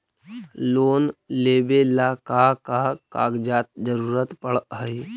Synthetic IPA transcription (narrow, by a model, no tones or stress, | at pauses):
loːnleːbelakakakaːɡd͡ʒaːt̪̚d͡ʒəɾuːɾət̪pəɽɦəi